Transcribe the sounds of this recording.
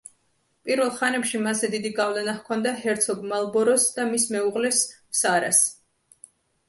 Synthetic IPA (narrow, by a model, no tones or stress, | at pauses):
pʼiɾvɛlˠχanɛpʃimazɛd̪id̪iɡavlɛnahkʰɔnd̪aɦɛɾt̪sʰɔɡmalˠbɔɾɔsd̪̥amismɛuʁlɛs | saɾa̰s